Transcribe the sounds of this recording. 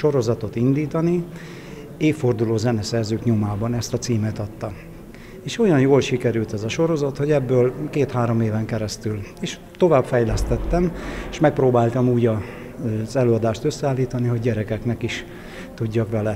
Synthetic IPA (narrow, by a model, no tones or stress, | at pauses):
ʃo̞ɾo̞zɒt̪o̞t̪ind̪iːt̪ɒni | eːfːo̞rd̪uloːzɛnɛsɛrzøːkɲomaːbɒnɛst̪ɒt̪siːmɛt̪ɒt̪ːɒ | eːʃo̞jɒnjoːlʃikɛɾylt̪ɛzɒʃo̞ɾo̞zɒt̪ho̞ɟɛbːøːlkeːt̪haːɾo̞meːvɛŋkɛɾɛst̪yleːʃ | t̪o̞vaːbfɛjlɛst̪ɛt̪ːɛmeʃmɛk̚pɾoːbaːlt̪ɒmuːɟɒ | zɛløːɒd̪aːʃt̪øsːɛaːlːiːt̪ɒniɦo̞ɟɟɛɾɛkɛknɛkiʃ | t̪uɟːɒkʋɛlɛ